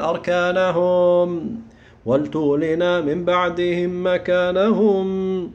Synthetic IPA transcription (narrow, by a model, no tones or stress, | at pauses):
ʔɑɾˤkaːnaɦʊm | walt̪ʊːlɪnaːmɪmbaʕd̪ɪhɪmːakaːnaɦʊm